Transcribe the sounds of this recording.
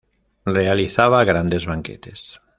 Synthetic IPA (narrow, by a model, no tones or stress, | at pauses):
realiθaβ̞aɣɾand̪e̞zβaŋket̪e̞s